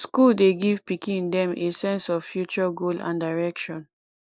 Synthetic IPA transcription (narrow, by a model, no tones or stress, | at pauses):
skuldeɡiv̥pikĩndɛ̃mesɛ̃nsɔvfjut͡ʃɔɡolã̰ndaɪɹɛkʃɔ̃n